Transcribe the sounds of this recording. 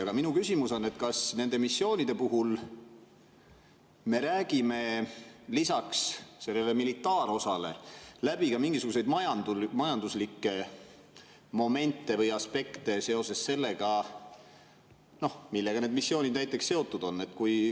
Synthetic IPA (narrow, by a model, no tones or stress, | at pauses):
ɑɡ̥ɑminukysʲimuso̞nːe̞t̪kɑsne̞nd̪e̞misːo̞ːnid̪e̞puɦul | me̞ɾæːɡ̥ime̞lisɑksse̞lːele̞milit̪ːˑɑːɾo̞sɑle̞̰læb̥ikɑmiŋɡ̥isuɡ̥use̞jd̪mɑjɑnd̪umɑjɑnd̪uslikːˑe̞ | mo̞me̞nt̪ːˑe̞vɤjɑspe̞kt̪e̞se̞o̞se̞sse̞lːe̞ɡ̥ɑ | no̞hmilːe̞ɡ̥ɑne̞ːd̪̚misːio̞ːnid̪̥̚næjt̪ːˑe̞ksse̞o̞t̪ˑːud̪̥o̞nːe̞t̪ːkuj